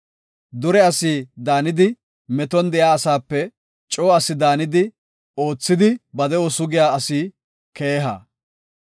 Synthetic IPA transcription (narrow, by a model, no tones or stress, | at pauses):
d̪ʊɾɛɐsiːd̪aːnɪd̪ɪ | mɛt̪ɔnd̪ɛjaːɐsaːpːɛ | t͡ʃʼo̞ːɐsɪd̪aːnɪd̪ɪ | o̞ːt͡sːɪd̪ɪbɐd̪ɛɔsʊɡɪjaːɐsiː | ke̞ːɦa̰